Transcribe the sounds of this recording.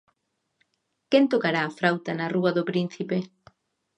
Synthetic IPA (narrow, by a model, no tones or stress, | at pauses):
kent̪okaɾaːfɾawt̪anɐruɐðʊpɾin̟θipe